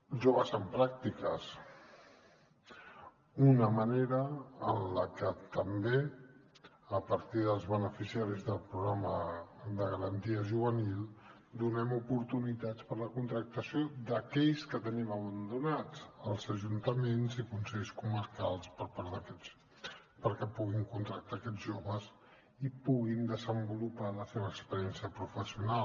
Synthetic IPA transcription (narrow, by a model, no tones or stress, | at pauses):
ʒoβəzəmpɾak̚t̪ikəs | unəməneɾəənləkət̪əmbe | əpəɾt̪iðəlˠzβənəfisiaɾizðəlˠpɾuɣɾaməðəɣəɾənt̪iəʒuβənilˠ | d̪unɛmupuɾt̪unit̪at͡spəɾləkunt̪ɾək̚t̪əsjod̪əkɛʎskət̪əniməβənd̪unat͡səlˠzəʒunt̪əmenzikunsɛʎskuməɾkalˠspəɾpaɾðəkɛs | pəɾkɛpuɣiŋkunt̪ɾək̚t̪akɛd͡zʒoβəs | ipuɣind̪əzəmbulupaləseβəːkspəɾiɛnsiəpɾufəsiunal